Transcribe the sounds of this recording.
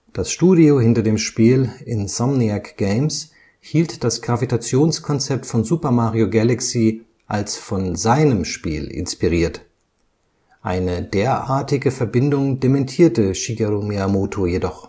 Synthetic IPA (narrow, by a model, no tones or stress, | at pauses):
d̥asʃtuːdiohɪntɐdeːmʃpiːlɪnsamniakɡ̥eɪms | hiːltd̥asɡ̥ʁavitat͡sjoːnskʰɔnt͡sɛp̚tfɔnzuːpɐmaːʁioɡalaksiː | ʔalsfɔnzaɪnəmʃpḭːlɪ̰nspiʁiːɐt | ʔaɪnədeːɐʔaːɐtɪɡəfɛɐbɪndʊŋdɛmɛntʰiːɐtəʃiɡaʁomeamoːtʰojedɔχ